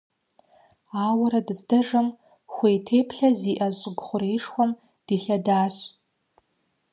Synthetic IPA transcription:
aːwɐɾɐdɨzdɐʐɐm | xʷejtʰeːpʰɬɐziːʔɐʑʼɪɡʷχʷʊreːʂxʷɔm | d̥iːɬɐdaːɕ

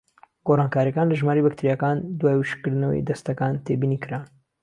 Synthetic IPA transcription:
ɡorɑːnkaːɾijɐkaːnlɐʒmaːɾejbɐk̚t̪ʰiɾijakand̪waːjwɨʃkɨɾd̪ɨnɐwḛjd̪ɐst̪ɐkant̪ʰebiːnikɨɾa

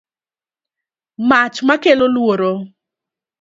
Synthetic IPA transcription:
mat͡ʃmakelolwoɾo

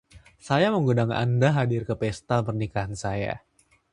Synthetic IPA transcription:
sajaməŋɡudaŋa̰ndaɦadɪrkəpɛst̪apərnikaɦansaja̰

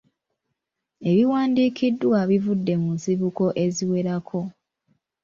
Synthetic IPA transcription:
e̞βiwaːndiːkʰidwaβivudːe̞munziβuko̞ʔe̞ziwe̞ɾakʰo̞

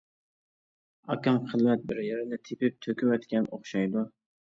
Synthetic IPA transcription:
ɑ̰kʲɑmχʰəlˠmɛt̪̚bɪɾjeɾɪnɪt̪ʰepɪp̚t̪ʰøkʲywɛt̪kʲɛnoχʃɑjd̪u

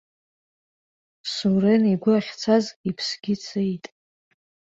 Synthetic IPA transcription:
suɾeniɡʷaχʲt͡sʰazipʰsɡ̥ʲɪt͡sʰejtʼ

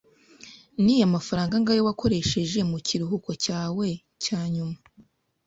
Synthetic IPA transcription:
nijamafaɾaːŋɡaŋɡajowako̞ɾe̞ʃe̞ʒe̞muciɾuɦuko̞caːwe̞ | caːɲuma

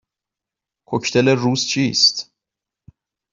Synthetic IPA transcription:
kʰocʰt̪ʰeleruːzt͡ʃʰiːst̪

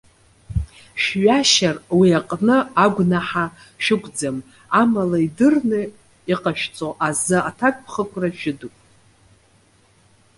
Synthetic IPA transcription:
ʃᶣɥaʃarwiaqʼnɨaɡʷnaħa | ʃᶣɪkʷʼd͡zam | amalaidɨrnɨ | iqʼaʃᶣt͡sʼoʔazɨatʰakʼpʰχəkʷʰraʃᶣɪdupʼ

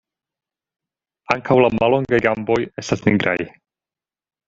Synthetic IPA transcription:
aŋkʰawlamalo̞ŋɡajɡambo̞je̞stasniɡɾa̰j

